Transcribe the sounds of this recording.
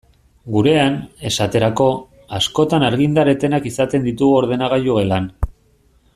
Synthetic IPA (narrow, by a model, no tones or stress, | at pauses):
ɡuɾe̞ane̞sat̪e̞ɾako̞ | asko̞t̪anaɾɣ̞ind̪aɾe̞t̪e̞nakisat̪e̞nd̪it̪uɣuo̞ɾð̞e̞naɣ̞ajuɣelan